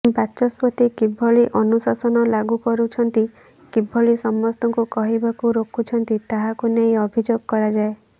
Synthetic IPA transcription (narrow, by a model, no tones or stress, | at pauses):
batːt͡ʃɔspɔt̪ikibʱɔɭiʔɔnusasɔnɔlaɡukɔɾut͡ʃʰɔnt̪i | kibʱɔɭisɔmːɔst̪ɔŋkukɔɦibakuɾokʰut͡ʃʰɔnt̪it̪aɦakunej̃ɔbʱid͡ʒoɡ̚kɔɾad͡ʒae